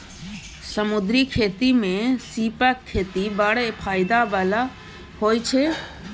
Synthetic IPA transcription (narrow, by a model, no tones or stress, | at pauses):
səmʊd̪ɾikʰeːt̪imẽsiːpəkʰːeːt̪ibəɽepʰaːɪd̪aʋəla | hoːjt͡ʃʰe